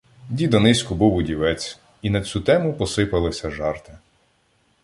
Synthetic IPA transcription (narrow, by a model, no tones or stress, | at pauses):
dʲid̪ɔnɪsʲkʊbuwʊdʲiʋɛt͡sʲ | inɐt͡sʲut̪ɛmʊpɔsɪpɐlˠɪsʲɐʒɑrt̪ɪ